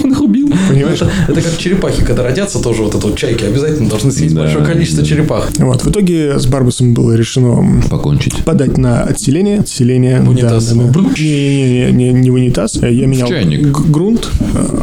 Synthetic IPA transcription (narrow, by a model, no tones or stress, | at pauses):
onɨxʊbʲilˠpənʲɪmaɛt̪əɛt̪əkakt͡ɕɪɾʲɪpaxʲɪkɐɡd̪aɾɐdʲat̪sːət̪o̞ʐɨvot̪ɛt̪əvot̪̚t͡ɕæjkʲɪɐbʲɪzatʲɪlʲnəd̪ɐlˠʐnɨsʲjʲesʲtd̪ɐlʲʂojəkɐlʲit͡ɕɪst̪vət͡ɕɪɾʲɪpaxvo̞̰t̪vɨt̪o̞ɡʲɪzbarbəsəmʲbɨ̰lˠəɾʲɪʂɨno̞pɐko̰nʲt͡ɕɪ̰tʲpɐd̪atʲnəɐ̰t̪sʲɪlʲenʲɪjəɐt̪sʲɪlʲenʲɪjəd̪abnʲeenʲenʲenʲenʲɪvənʲɪt̪asjamʲɪnʲaɪ̰ɡɾunt̪